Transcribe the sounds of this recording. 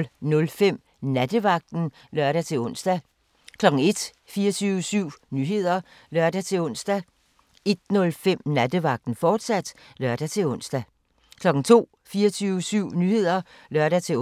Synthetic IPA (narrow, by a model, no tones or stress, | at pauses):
lnɔ̽lfem̰ | næd̥əʋɑ̈ɡ̥̚d̥n̩ | lɶɐɾ̥æt͡sʰe̝ɔ̽n̰sd̥æ | kʰlɒ̽ɡ̥ŋ̩e̝d̥ | fiːɐt͡sʰyːʊəsyʊ̰nyɦe̝ð̞̰ˠɐ | lɶɐ̰d̥æt͡sʰe̝ɔ̽n̰sd̥æ | e̝d̥nɔ̽lfem̰næd̥əʋɑ̈ɡ̥̚d̥n̩fɒːd̥sæd̥ | lɶɐ̰d̥æt͡sʰe̝ɔ̽n̰sd̥æ | kʰlɒ̽ɡ̥n̩t͡sʰo̝̰ː | fiːɐt͡sʰyːʊəsyʊ̰nyːhe̝ð̞̰ˠɐ | lɶɐɾ̥æt͡sʰe̝